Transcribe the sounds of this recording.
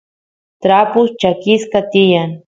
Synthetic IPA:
t̪ɾapʊst͡ʃakɪskat̪ɪjaŋ

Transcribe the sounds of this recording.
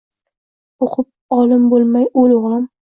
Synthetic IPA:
oqʰʊp̚ɒlɪmbolˠmajolʁɑm

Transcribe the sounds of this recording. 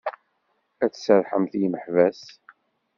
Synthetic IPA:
æt͡ssəɾˤħəmθjməħvæs

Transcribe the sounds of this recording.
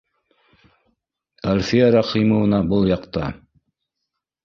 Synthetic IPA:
ælfijæɾɑqimɤ̆wɤ̆nɑbɤlˠjɑqt̪ɑ

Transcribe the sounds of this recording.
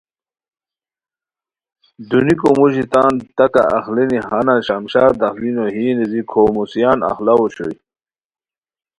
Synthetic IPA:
d̪unikomuɕit̪aːnt̪ɐka̰ːxlinihanaɕamɕaːd̪ɐxlinoɦiːnezikʰoːmusijaːna̰xlawoɕo̰j

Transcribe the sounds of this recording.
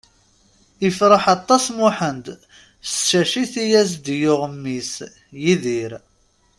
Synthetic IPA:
ifɾəħɑt̪ˤːɑsmʊħənd̪ | ʃæʃiθijæs̬d̪jʊʁmːis | jiðiɾ

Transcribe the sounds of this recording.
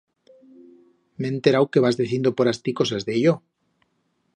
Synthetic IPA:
ment̪e̞ɾawke̞βazðiθjend̪opoɾast̪iko̞sazðeʝo

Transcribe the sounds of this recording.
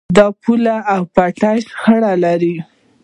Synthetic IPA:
d̪ɑpulaʔawpaʈasxəɽalaɾi

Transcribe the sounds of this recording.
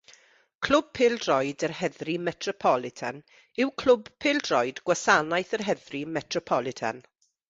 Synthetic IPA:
kʰl̥ʊb̥̚pʰɪːlˠdrɔjdərhɛðrimɛtʰrɔpʰɔlˠɪtʰa̰n | ɪwkʰl̥ʊbpʰeːlˠdrɔjdɡwasanajθərɦɛðrimɛtʰrɔpʰɔlˠɪtʰa̰n

